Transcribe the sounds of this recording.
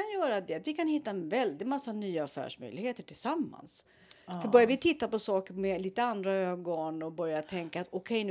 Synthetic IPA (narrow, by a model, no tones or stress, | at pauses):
anjœːɾad̪ɛat̪vɪkʰanhɪt̪ːaɛnvɛld̪ɪt̪masːanyːaafæ̰ːʂmœ̰jlɪɡheːt̪əʈʰɪlsamːa̰ns | fœɾbœɾjavɪt̪ʰɪt̪ːapɔsɑːkəɾmɛliːt̪əand̪ɾaøːɡɔnɔbœɾjat̪ʰɛŋkaːt̪ɔkʰɛjn